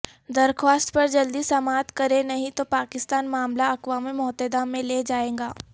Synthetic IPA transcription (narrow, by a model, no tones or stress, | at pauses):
d̪ɐɾkʰʋaːst̪pɐɾd͡ʒɐld̪isɐmaːt̪kɐɾenɐɦĩt̪opaːkɪst̪aːnmaːmlaɐkwaːmẽmʊɦt̪ed̪aːmːẽleːd͡ʒaːẽːŋɡaː